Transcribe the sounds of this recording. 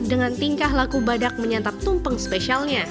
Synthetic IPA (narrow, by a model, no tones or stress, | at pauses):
dəŋant̪iŋkaɦlakubadak̚məɲat̪ap̚t̪umpəŋspesialɲa